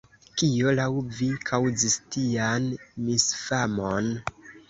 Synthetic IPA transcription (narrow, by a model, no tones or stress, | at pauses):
kio̞lawvikʰawd͡zistianmisfamon